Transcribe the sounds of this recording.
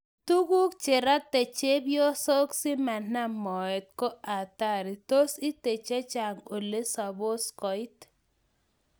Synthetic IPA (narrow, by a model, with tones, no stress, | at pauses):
t̪u˦ɡu˦kt͡ʃe˨ɾa˦t̪e˨t͡ʃe˦bjo˦so˦ksi˦ma˨na˦mɔ˨ɛ˨t̪̚ko˦a˨t̪a˦ɾi˨t̪o˦si˦t̪e˨t͡ʃe˦t͡ʃa˨ŋo˨le˦sa˨bo˦skɔ˨ɪ˦t